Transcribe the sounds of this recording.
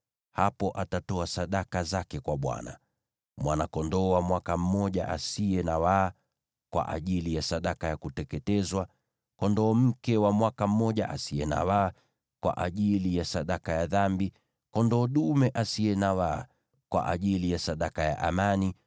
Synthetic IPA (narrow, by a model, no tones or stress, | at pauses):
hapɔʔatatɔasaɗakazakɛkwaɓwa̰na̰ | mwanakɔndɔːwamwakam̩mɔʄa̰ʔa̰siɛnawaː | kwa̰ʔa̰ʄilijasaɗakajakutɛkɛtɛzwa | kɔndɔːm̩kɛwamwakam̩mɔʄaʔa̰siɛna̰waː | kwa̰ʔaʄilijasaɗakajaðambi | kɔndɔːɗumɛʔasiɛnawaː | kwa̰ʔa̰ʄilijasaɗakaja̰ʔamani